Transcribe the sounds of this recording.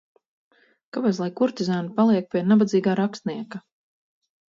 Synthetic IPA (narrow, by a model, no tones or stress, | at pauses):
kabaslˠajkuɾt̪ʲizaːnupalˠiɛk̚pʲiɛnabad̪ziːɡaːɾakst̪niɛka